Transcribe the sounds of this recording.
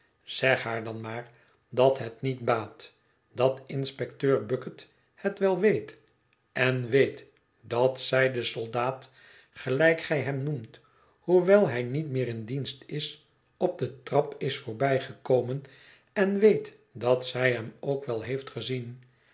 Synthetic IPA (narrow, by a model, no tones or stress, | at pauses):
z̥ɛχɦaːɹdɑnmaːɹ | dɑtɦətnit̚baːt | d̥ɑtɪnspɛktøːɹbɵkət | hətʋɛlˠʋejt | ʔɛnʋejt | d̥ɑtsɛjdəsɔlˠdaːt | χəlɛjkχɛjɦɛmnumt | huʋɛlˠɦɛjnitmɪːɾɪndinstɪs | ɔb̚dətrɑpɪsfʊːɹbɛjχəkowmən | ɛnʋejt | dɑtsɛjɦɛmowkʋɛlˠɦejftχəzin